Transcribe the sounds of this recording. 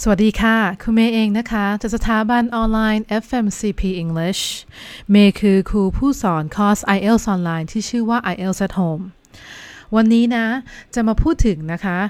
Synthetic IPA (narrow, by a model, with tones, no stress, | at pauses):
sa˧˩wa˨˩t̚diː˧kʰaː˥˩kʰu˧nmeː˧ʔeː˧ŋna˦˥kʰa˦˥t͡ɕa˨˩sa˧t̪ʰaː˩˦ba˧nʔɔː˧nlaː˧jnʔe˦˥fʔe˧msiː˧pʰiː˧˩ʔi˧ŋli˦˥˩ɕmeː˧kʰɯː˧kʰuː˧pʰuː˥˩sɔː˩˦nkʰɔː˦˥sʔa˧jʔe˥˩lsʔɔː˧nlaː˧jnt̪ʰiː˥˩t͡ɕʰɯː˥˩waː˥˩ʔa˧jʔe˥˩lsa˦˥t̪̚hoː˧m | wa˧nːiː˦˥na˦˥t͡ɕa˨˩maː˧pʰuː˥˩t̪ʰːɯ˩˦ŋna˦˥kʰa˦˥